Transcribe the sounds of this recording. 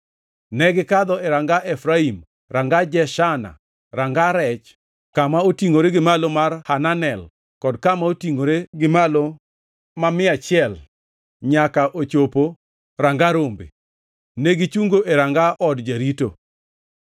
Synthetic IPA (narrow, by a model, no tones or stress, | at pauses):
nɛɡɪkad̪ɔeɾaŋɡaʔɛfɾaim | ɾaŋɡad͡ʒɛʃana̰ | ɾaŋɡaɾɛt͡ʃ | kamaotiŋɡoɾeɡɪmalomarhananɛl | kɔdkamaotiŋoɾeɡɪmalo | mamɪat͡ʃɪɛl | ɲakaʔot͡ʃopo | ɾaŋɡaɾombḛ | neɡit͡ʃuŋɡoʔeɾaŋɡaʔɔdd͡ʒaɾito